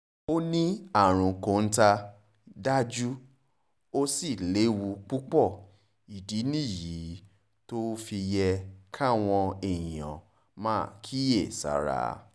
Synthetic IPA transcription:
o˦nĩ˦a˦˨ɾ̃ũ˨kõ˨n̩˦ta˧ | da˦d͡ʒu˦ | o˦si˦˨le˨˦wu˧k͡pu˦k͡pɔ˦˨ | i˨di˨˦nĩ˦˨ji˨˦ | to˦fi˧jɛ˧kʰa˦˨w̃ɔ̃˧e˨j̃ɔ̃˨ | mãː˦˨kʰi˦je˦˨sa̰˨˦ɾa̰˨

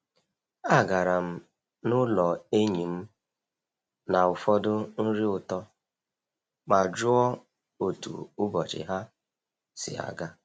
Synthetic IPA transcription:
a˦˨ɡa˨ɾa˨m̩˦ | nʊ˦lɔ˨e˦ɲi˨m̩˦ | na˨ʊ˨fɔ˦dʊ˦n̩˦ɾi˦ʊ˨tɔ˦ | k͡pa˨d͡ʒʊ˦ɔ˦ | o˨tṵ˨ʊ˦bɔ˨t͡ʃɪ̰˨ɦa˦ | sɪ̰˨a̰˨ɡa˦

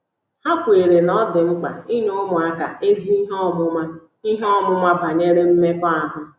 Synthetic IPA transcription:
ha˦kʷe˨ɾe˨nɔ˦dɪ˨ŋ͡m̩˦k͡pa̰˨i˦ɲo˦mʊ˨a˦ka˨e˦zi˦i˦ɦɔ˦˨mʊ˦ma˦ | i˦ɦɔ˦mʊ˦ma˦ba˨ɲe˦ɾe˦m̩˦me˦kɔ˦a˨ɦʊ˦

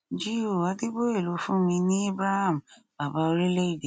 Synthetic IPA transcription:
d͡ʒi˦o˦˨wa˨˦te˦bo˦e˦˨lo˨˦fũ˦mĩ˧nĩ˦e˦bɾa˦ha˦˨m̩˨ | b̥a˨ba˧o˧ɾi˦le˦i˦˨de˨

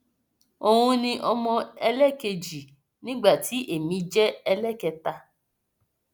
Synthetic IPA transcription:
o˨hũ˧nĩ˧ʔɔ˧mɔ̃˧ɛ˧lɛ˦˨ke˧d͡ʒi˨ | nĩ˦ɡ͡ba˦˨ti˨˦ʔe˦˨mĩ˨˧d͡ʒɛ˦ɛ˧lɛ˦˨kɛ˧ta˧

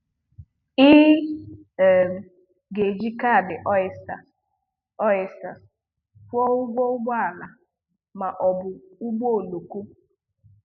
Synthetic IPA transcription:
i˦˨ | m̩˨ | ɡe˨d͡ʒi˦ka˦˨dɪ˨ʔsta˨ | ɔ˦ɛ˨sta˨s | fɔ˦ʊ˦ɡʷɔ˦ʊ˦ɡ͡bɔ˦a˨na˨ | ma˨ʔɔ˨bʊ˨ʊ˦ɡ͡bo˦o˨lo˨ku˦

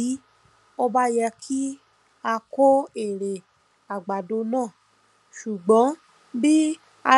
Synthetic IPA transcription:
i˨˦ | o˧ba˦jɛ˧kʰi˦ | a˧ko˦e˨ɾe˨ | a˨ɡ͡ba˨do˧nãː˦˨ | ʃu˨ɡ͡bɔ̃˨˦ | bi˦ | a˧

